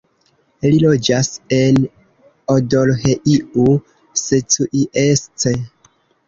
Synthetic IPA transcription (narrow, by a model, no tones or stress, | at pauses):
lilo̞d͡ʒase̞n | odolheʔiu | setuʔiʔest͡se